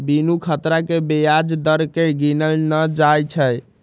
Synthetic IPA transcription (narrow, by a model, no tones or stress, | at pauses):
binukʰət̪ɾakebejad͡ʒd̪əɾkeɡinəlnəd͡ʒajt͡ʃʰəj